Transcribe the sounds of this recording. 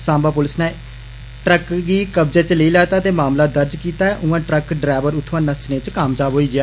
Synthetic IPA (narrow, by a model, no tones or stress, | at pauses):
sãːmbaːpʊlɪsneː | ʈɾəkɡiːkəbd͡ʒeːt͡ʃləiːlɛːt̪aːt̪eːmaːmlaːd̪əɾd͡ʒkiːt̪aːɛːʔʊ̃ːãːʈɾəkɖɾaːʋəɾʊt̪ʰːʋãːnãsɪnẽːt͡ʃkaːmd͡ʒaːbɦoːiːɡɪaː